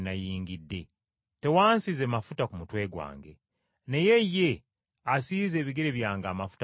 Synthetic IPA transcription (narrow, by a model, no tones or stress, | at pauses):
najiːŋɡidːe̞ | te̞waːnsizemafutakumutwe̞ːɡwa̰ːŋɡe̞̰ | ne̞je̞jːe̞ | asiːze̞ːβiɡeɾe̞βjaːŋɡaːmafu̥t